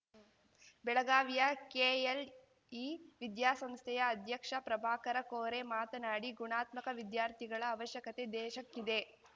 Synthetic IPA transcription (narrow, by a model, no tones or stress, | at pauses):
bɛɭɐɡaːʋijɐkeːel | iʋid̪jaːsɐmst̪ʰɛjɐːd̪ʱjɐkʂɐpɾɐbʱaːkɐɾɐkoːɾemaːt̪ɐnaːɽiɡuɳaːt̪mɐkɐʋid̪jaːɾt̪ʰiɡɐɭɐːʋɐʃjɐkɐt̪ed̪ɛːʃɐkːid̪e̞